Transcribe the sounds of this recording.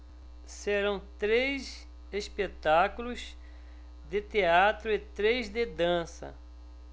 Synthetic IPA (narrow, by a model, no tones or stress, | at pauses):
seɾɐ̃w̃t̪ɾejz | espet̪akulʊz | d̪ɪt̪eat̪ɾʊɪt̪ɾezd̪ɪd̪ɐ̃sɐ̰